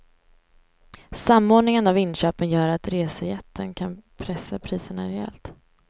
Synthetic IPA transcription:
samːoːɖɳɪŋənavɪnɕøːpənjœːɾat̪ɾeːsəjɛt̪ʰːənkʰanpʰɾɛsːapʰɾiːsəɳaɾɛɛ̰lt̪

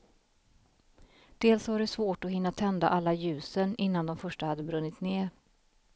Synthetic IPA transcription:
d̪̥eːlsvaɖɛsvoːʈɔɦɪnːat̪ʰɛnd̪aʔalːajʉ̟ːsənɪnːand̪ɔmfœʂʈahad̪ːəbɾɵnːɪt̪neːɾ

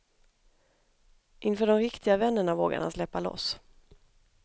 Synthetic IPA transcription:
ʔɪnfœːɖɔmɾɪkt̪ʰɪɡavɛnːəɳavo̰ːɡa̰na̰slɛpːalɔ̰s

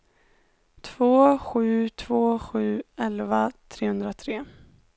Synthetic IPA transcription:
t̪ʰv̥oːɧʉ̟ːt̪ʰvoːɧʉ̟ːɛlvat̪ʰɾeːhɵnd̪ɾat̪ʰɾeː

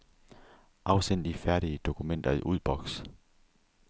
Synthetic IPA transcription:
ʔɑ̈ʊsen̰d̥ifæɐɾ̥iəd̥o̝kʰumen̰d̥ɐiʔuð̰ˠb̥ɒ̽ɡ̥s

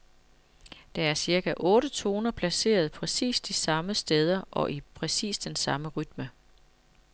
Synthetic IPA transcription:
d̥ɑ̈æɐsiɐɡ̥ʰæʔɔ̽ːɾət͡sʰo̝ːnɐpʰlæse̝̰ːɐð̞̩ˠpʰʁɛsḭːsd̥isɑ̈məsd̥eð̞ˠɐʔɒ̽ʔipʰʁɛsḭːsd̥ensɑ̈məʁyd̥mə

